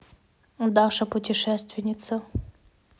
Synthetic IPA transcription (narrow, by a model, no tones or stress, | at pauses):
d̪aʂəpʊtʲɪʂɛst̪vʲɪnʲɪt̪sə